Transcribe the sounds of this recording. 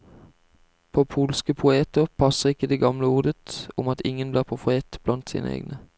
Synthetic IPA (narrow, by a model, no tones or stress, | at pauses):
pʰoːpʰuːlskəpʰʊeːt̪əʁpʰɑsəʁɪkəd̪eːɡɑmləuːd̪ət̪ʊmɑt̪ʰɪŋənbliːʁpʰʊfʁeːt̪b̥lɑnt̪sḭːnə̰ḛːɡnə